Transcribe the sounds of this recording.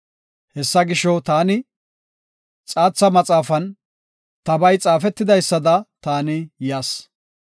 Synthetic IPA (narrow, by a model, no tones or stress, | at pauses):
hɛsːɐɡɪʃɔt̪aːnɪ | t͡sʼaːt͡sːɐmɐt͡sʼaːfɐn | t̪ɐbɐjt͡sʼaːfɛt̪ːɪd̪ɐjsːɐd̪ɐt̪aːnɪjaːs